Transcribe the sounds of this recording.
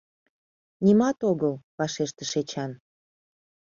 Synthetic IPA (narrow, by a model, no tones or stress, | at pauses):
nʲimɑt̪oɣəlβɑʃeʃt̪ə̆ʃet͡ɕɑn